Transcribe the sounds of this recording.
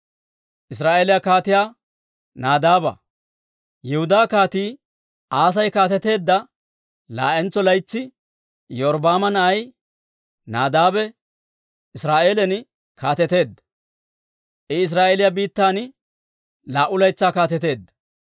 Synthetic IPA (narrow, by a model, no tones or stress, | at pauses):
ʔɪs̬ɾaːʔeːlɪjakaːt̪ɪjaː | naːd̪aːbɐ̰ | jɛhʊd̪aːkaːt̪iː | aːs̬ɐjkaːt̪ɛt̪e̞ːd̪ːɐ | la̰ːʔɛnt͡sːɔlɐjt͡sːɪ | jɔːɾbaːmɐnɐʔɐj | naːd̪aːbɛ | ʔɪsɾaːʔe̞ːlɛn | kʰaːt̪ɛt̪e̞ːd̪ːɐ | ʔɪɪs̬ɾaːʔeːlɪjabiːt̪ːaːn | laːʔʊlɐjt͡sːaːkaːt̪ɛt̪e̞ːd̪ːɐ